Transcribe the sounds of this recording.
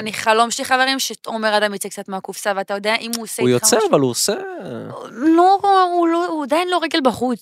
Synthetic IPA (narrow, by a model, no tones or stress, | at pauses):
aniχalo̞mʃliχaveʁimʃet̪omeʁadamjit͡sek̚t͡sat̪meakufsaveat̪ajod̪ejaʔimuseujot͡seavaluose | loulouadainlo̞ʁeɡelbaχut͡s